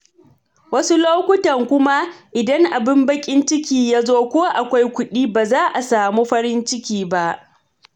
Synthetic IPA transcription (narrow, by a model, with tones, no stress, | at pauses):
wɐ˦su˦loː˦kʷʊ˦tɐ˨ŋkʷʊ˦ma˦ʔɪ˨dɐ˦ŋʔa˨bɪ˦mbɐ˦kʲʼɪ˦nt͡ʃɪ˦kʲiː˨jaː˦zoː˦kʷoː˦ʔa˨kʷa˦jkʷʊ˦ɗiː˦baː˨zaː˦ʔa˨saː˨muː˦ɸɐ˦ɾɪ˦nt͡ʃɪ˦kʲiː˨ba˦ʔ